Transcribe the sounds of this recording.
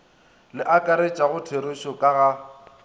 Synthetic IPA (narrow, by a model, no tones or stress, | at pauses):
lɪʔakʼaɾet͡ʃʼaɣʊtʰeɾʊʃɔkʼaɣa